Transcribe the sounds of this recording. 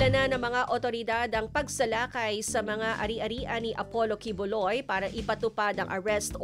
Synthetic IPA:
ɐnanɐŋmɐŋaʔot̪o̞ɾɪd̪ad̪ɐŋpɐɡ̚sɐlaːkɐjsɐmɐŋaʔɐɾiʔɐɾiːʔɐniʔɐpolo̞kibolojpaːɾɐʔɪpɐt̪ʊpad̪ɐŋʔɐɹɛst̪

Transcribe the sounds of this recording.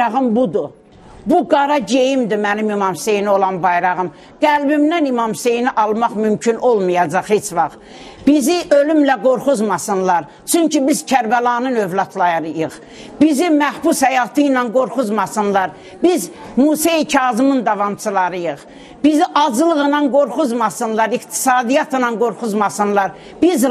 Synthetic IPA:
ɑʁɯmbud̪u | buɡɑɾɑɟe̞jimd̪imænimimɑmse̞jnio̞lˠɑnbɑjɾɑʁɯm | ɡ̥ælbimnænimɑmse̞jniʔɑlˠmɑχmymcʰynʔo̞lˠmɯjɑd͡ʒɑχhet͡ʃvɑχ | b̥iziʔølymlæɡo̞ɾχuzmɑsɯnlˠɑɾ | t͡ʃʰyɲcibiz̥cʰæɾbælˠɑnɯnøvlˠɑt̪ʰlˠɑjɑɾɯjɯχ | bizimæhbushæjɑt̪ʰɯjnɑnɡo̞ɾχuzmɑsɯnlˠɑɾ | bizmuːsecʰɑːzɯmɯnd̪ɑvɑmt͡ʃʰɯlˠɑɾɯjɯχ | b̥iziʔɑd͡ʒlˠɯɣɯnɑnɡoɾχuzmɑsɯnlˠɑɾikt̪ʰi̥sɑːd̪ijɑt̪ʰɯnɑnɡo̞ɾχuzmɑsɯnlˠɑɾ | b̥iz

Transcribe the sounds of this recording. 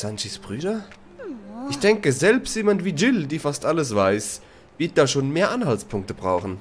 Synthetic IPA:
sanʃisb̥ʁyːdɐ | ʔɪçd̥ɛŋkəzɛlpstjeːmantv̥iːd͡ʒɪldiːfastʔaləsv̥aɪs | vɪɐt̚d̥aːʃoːnmeːɐʔanhaltspʰʊŋk̚təbʁaʊxn̩

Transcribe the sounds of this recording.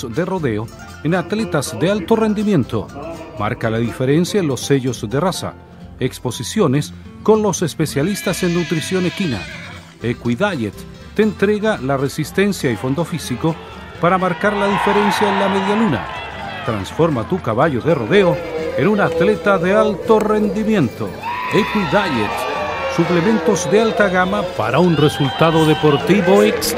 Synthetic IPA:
d̪ero̞ðeo | enat̪le̞t̪azðe̞alt̪o̞re̞nd̪imjẽ̞nt̪o̰ma̰ɾkalaðife̞ɾe̞nsjaenlo̞sːe̞ʝo̞zðe̞rasa̰ | ekspo̞sisjone̞sko̞nlo̞se̞spe̞sjalist̪ase̞nːut̪ɾisjo̞nekina̰ | ekwiðaʝet̪ː | ent̪ɾe̞ɣalaresist̪e̞nsjaifo̞nd̪o̞fisiko̞ | paɾamaɾkaɾlaðife̞ɾe̞nsjaenlame̞ðjaluna̰ | t̪ɾa̰nsfo̞ɾmat̪ukaβaʝo̞ðe̞ro̰ðe̞oenunat̪le̞t̪aðe̞alt̪o̞re̞nd̪imjẽ̞nt̪o̰ekwiðaʝet̪suple̞mẽnt̪o̞zðe̞alt̪aɣamapa̰ɾaunresult̪aðo̞ðepo̞ɾt̪iβoeks

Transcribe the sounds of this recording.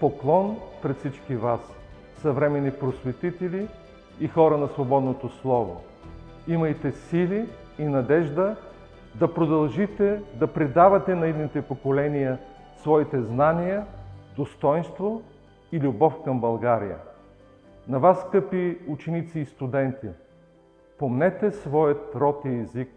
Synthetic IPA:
poklˠɔnpɾɛt̪fsit͡ʃkivas | sɐvɾɛmɛnipɾosvɛt̪it̪ɛliː | xɔɾənɐsvobɔd̪not̪oslˠɔvo̰ | imɐjt̪ɛsiliː | nɐd̪ɛʒd̪ə | d̪ɐpɾod̪ɐlˠʒit̪ɛd̪ɐpɾid̪avɐt̪ɛnɐid̪nit̪ɛpokolɛnijə | svɔit̪ɛznanijəd̪ost̪ɔjnst̪vo | ilʲubɔfkɐmbɐlˠɡaɾḭjə̰ | nɐvasːkɤpiut͡ʃɛnit̪siːst̪ud̪ɛnt̪i | pomnɛt̪ɛsvɔjət̪ɾɔt̪iɛzik̚

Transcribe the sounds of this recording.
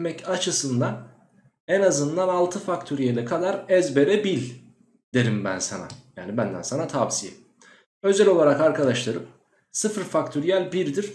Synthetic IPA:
mɛcat͡ʃʰɯsɯnd̪an | ɛnazɯnd̪analˠt̪ʰɯfak̚t̪ʰyɾijelʲɛkʰad̪aɾɛzbe̞ɾɛbilʲ | d̪̥e̞ɾimbæ̰nsa̰na̰ja̰ːnibænd̪æ̰nsanat̪ʰabsijɛ̰ | ø̞zɛlʲo̞lˠaɾakaɾkʰad̪aʃlˠaɾɯp | sɯfɾfakt̪ʰyɾijælʲbiɾd̪iɾ̥

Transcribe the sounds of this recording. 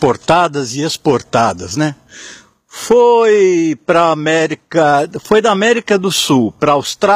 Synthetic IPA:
poɾt̪ad̪ɐzɪespoɾt̪ad̪ɐznɛ | fojpɾɐːmɛɾikɐfojd̪ɐamɛɾikɐd̪ʊsuwpɾɐawst̪ɾa

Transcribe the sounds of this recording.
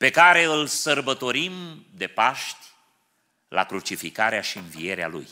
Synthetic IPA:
pe̞kaɾe̞ɨlsərbət̪o̞ɾimd̪e̞paʃt̪ʲ | la̰kɾut͡ʃifikaɾeaʃiɨnvie̞ɾea̰lṵj

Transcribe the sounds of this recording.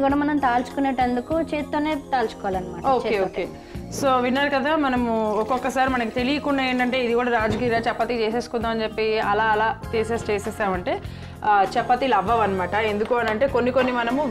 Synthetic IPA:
ɡuːɽɐmɐnɐmt̪aːlsu̥kuneʈːend̪ukut͡ʃeːtt̪ːoːneːt̪aːlt͡ʃu̥kɔʋaːlɐnːɐmaːʈɐoːeːoːkeː | soːʋinːaːɾukɐd̪ʱaːmɐnɐmuɔkɔkːɐsaːɾimɐnɐkit̪e̞lijɐkuɳːɖae̞ːɳʈɐɳʈe̞ːid̪ikuːɽɐɾaːd͡ʒɐkiːɾaːt͡ʃɛpːɐt̪it͡ʃeːseːskund̪aːmɐnt͡ʃepːiɐlaːlaːt̪eːseːst͡ʃeːsɛːsaːʋɐɳʈe̞ː | t͡ʃɛpːɐt̪ilɐʋːɐʋɐnɐmaːʈɐe̞nd̪ukuːɐnɐɳʈe̞ːkonːikonːimɐnɐmu

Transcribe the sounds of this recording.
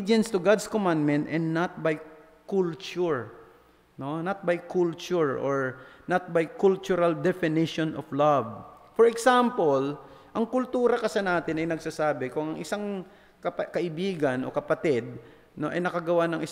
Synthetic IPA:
d͡ʒɛnst̪ʊɡad̪skomãnd̪mɛnt̪ʔɛnnɐt̪̚baj | kult͡ʃʊɹ | nonɐt̪̚bajkʰult͡ʃʊɹʔoɹnɐt̪̚bajkult͡ʃʊɾɐld̪ɛfɪnɪʃonɔflavfɔɹɛksampolʔɐŋkʊlt̪uːɾɐkɐsɛnaːt̪ɪnɐjnɐɡsasaːbɪkʊŋɐŋʔɪsaŋ | kɐpkɐʔɪbiːɡɐnʔo̰kɐpɐt̪ɪd̪̚ | noʔɐ̰jnɐkɐɡɐwanɐŋʔɪ

